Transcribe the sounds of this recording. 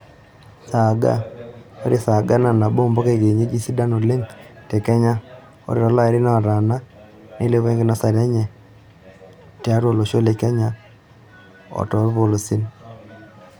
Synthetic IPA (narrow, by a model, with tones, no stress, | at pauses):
sa˨ɡa̰˦o˦ɾi˦sa˨ɡa˦na˨na˨bo˦mbo˦ke˦˨ɡe˨ɲe˦d͡ʒi˦si˦da˦no˨le˦ŋte˨kɛ˦ɲa˦ | o̰˦ɾɪ˦ɾɔ˦la˦ɾɪ˦na˨ɾa˨na˦ | ne˦le˦βe˦ŋɡɪ˦nɔ˦sa˨ɾɛ˦ɲɛ˨ | tja˦ɾo˨lo˨ʃo˦le˨kɛ˦ɲa˦ | ɔ̰˨tɔ˨˦ɾβo˨lo˨si˦n